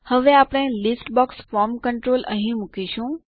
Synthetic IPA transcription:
həʋeaːpɽ̃ẽlɪsʈbɔːksfɔːɾmkəɳʈɾoːlʔə̰ɦĩmʊkiʃũ

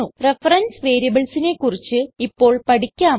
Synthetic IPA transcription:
urefɐrɐnsʋe̞ːɾijɐbɐɭsine̞kːurit͡ɕːɨipːo̞ːɭpɐʈikʲːaː

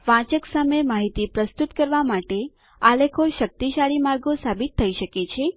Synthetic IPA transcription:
ʋãt͡ʃəksamemaɦit̪ipɾəst̪ut̪kəɾʋamaʈe | alekʰoʃək̚t̪iʃaɭimaɾɡosabit̪ʰːəiʃəket͡ʃʰe

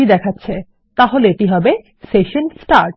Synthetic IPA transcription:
id̪ɛkʰatːɕʰe | t̪aɦoleeʈiɦɔbe | seʃonsʈaɾʈ

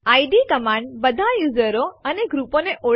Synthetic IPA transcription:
aiɖikəmãɳɖ̚bəd̪ʱajud͡ʒəɾoəneɡɾuponeʔo

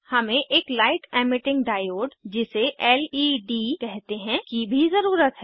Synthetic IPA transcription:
hɐmẽʔeːklaːɪʈɛːmɪʈɪ̃ŋɡɖaːjoːɖd͡ʒɪseʔɛːliɖikɛɦt̪eɦɛ̃kibʱizɐɾuːɾət̪ɦɛ

